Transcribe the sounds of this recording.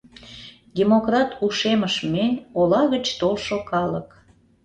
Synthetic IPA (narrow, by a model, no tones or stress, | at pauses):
d̪ʲemokrɑt̪uʃeməʃmenʲolɑɣət͡ɕt̪olʃokɑlək